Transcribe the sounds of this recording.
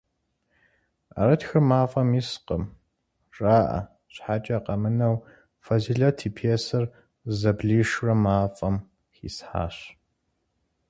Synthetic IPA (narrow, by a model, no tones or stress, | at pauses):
a̰ɾɐtxɨrmaːfʼɐmiːsqəm | ʈ͡ʂʼaːʔɐ̰ | ɕħat͡ʃʼɐqɐmɨnɐw | fɐziɮɐtʰiːpʰeːsɐr | zɐbɮiːʂrɐmaːfʼɐm | xḭːsħa̰ːɕ